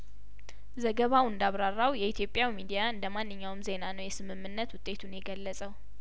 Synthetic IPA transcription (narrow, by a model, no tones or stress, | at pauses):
zəɡəβawɨnd̪aβɾarːawjɛit̪ʰjo̞pʼjawmid̪ijaɨnd̪əmanːɨɲːawmze̞nanəwjɛsɨmɨmːɨnːət̪wʊt̪ʼːe̞t̪ʰunjɛɡəlːəsʼəw